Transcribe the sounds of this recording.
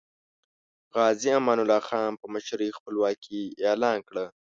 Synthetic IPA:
ɣɑːziamɑːnʊlɑːxɑnpəməʃɾixpəlwɑːkʰielɑːnkɽə

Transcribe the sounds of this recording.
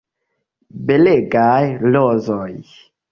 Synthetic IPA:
beleɡajlɔzɔj

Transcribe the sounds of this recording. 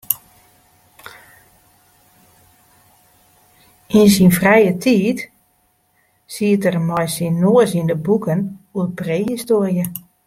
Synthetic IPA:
insinfrɛjətʰiːt | siətərmɔjsinːoəsindəbukənuəpreːhistoərjə

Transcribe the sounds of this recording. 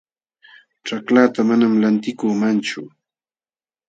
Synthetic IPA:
ʈ͡ʂaklaːt̪amanamlant̪ɪkuːmant͡ʃʊ

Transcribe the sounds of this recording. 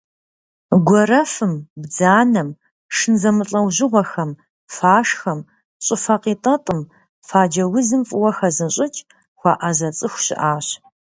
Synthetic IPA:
ɡʷɔrɐfɨmbd͡zaːnɐm | ʂɨnzɐmɨɬʼɐwʑɪʁʷɔxɐm | faːʂxɐm | ɕʼɪfaqiːtʼɐtʼɨm | faːd͡ʒɐwʊzɨmfʼʊwɐxɐzɨnɕʼɪt͡ʃʼ | xʷɑ̰ːʔɐzɐt͡sʼɨxʷɕɪ̰ʔaːɕ

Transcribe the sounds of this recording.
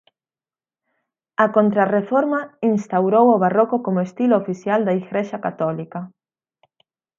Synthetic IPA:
ɐkont̪ɾarefoɾmɐinst̪awɾowoβarokʊkomoest̪iloːfiθjald̪aiɣɾeʃɐkat̪ɔlikɐ

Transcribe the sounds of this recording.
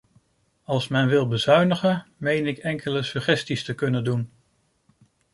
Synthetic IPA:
ɑlˠsmɛnʋɪlˠbəzœɥnəχənmejnɪkɛŋkʰələsyχɛstistəkɵnəndun

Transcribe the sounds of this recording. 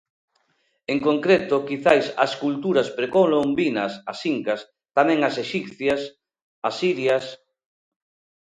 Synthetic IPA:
eŋkoŋkɾet̪okiθajsa̰skult̪uɾaspɾekolombinasasiŋkas | t̪amɛ̃ŋaseʃipθjas | asiɾjas

